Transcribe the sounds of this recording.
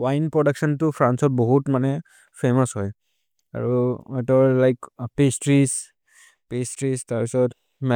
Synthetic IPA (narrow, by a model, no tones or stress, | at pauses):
wajnpɹɔdaksɔntʊpʰɹansɔt̚bɔɦutmanɛ | pʰemɔsɦɔj | a̰ɹuɔtɔɹlajkpestɹis | pestɹistaɹpisɔt | mɛ